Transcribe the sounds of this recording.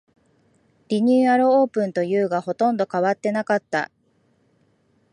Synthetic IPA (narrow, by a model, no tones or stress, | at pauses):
ɾʲiɲ̟ʲɨːaɾɯ̟o̞ːpɯ̟̃nt̪o̞jɯ̟ːɡaho̞t̪õ̞nd̪o̞kaβat̪ːe̞nakat̪ːa̰